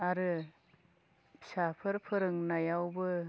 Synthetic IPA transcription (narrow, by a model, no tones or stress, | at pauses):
aɾɯ | sapʰɯɾpʰɯɾɯŋnajawbɯ